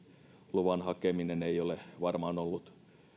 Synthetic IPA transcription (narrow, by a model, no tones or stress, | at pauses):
luʋɑnhɑkemineneijoleʋɑrmɑːnolːut̪